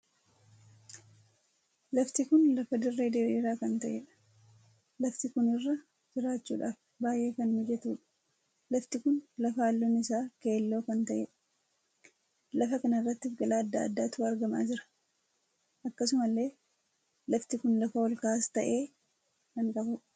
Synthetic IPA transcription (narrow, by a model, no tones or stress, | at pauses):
lɐft̪ɪkʊnlɐfɐd̪ɪrːe̞ːd̪eːᶑiːɾaːkɐnt̪ɐʔeᶑɐ̥ | lɐft̪ɪkʊnɪrːɐ | d͡ʒɪɾaːt͡ʃːuːᶑaːf | baːjʔe̞ːkɐnmɪd͡ʒɛt̪uːᶑɐ̥ | lɐft̪ɪkʊnlɐfɐaːlːoːnɪsaːke̞ːlːo̞ːkɐnt̪ɐʔeːᶑɐ̥ | lɐfɐkɐnɐɪrːɐt̪ːɪfɡɐlaːɐd̪ːa̰ːɐd̪ːaːt̪uːɐɾɡɐma̰ːd͡ʒɪɾɐ̥ | ʔɐkːɐsʊmɐlːe̞ː | lɐft̪ɪkʊnlɐfɐwɔlkaːst̪ɐʔe̞ː | kɐŋkɐhʊᶑ